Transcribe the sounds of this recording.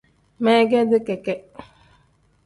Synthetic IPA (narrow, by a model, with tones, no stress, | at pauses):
mɛ˦ɡɛ˦dɨ˦kɛ˨kɛ˦